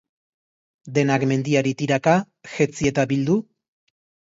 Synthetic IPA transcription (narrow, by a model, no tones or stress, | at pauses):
d̪e̞nakme̞nd̪iaɾit̪iɾaka | ʝet͡sie̞t̪abild̪u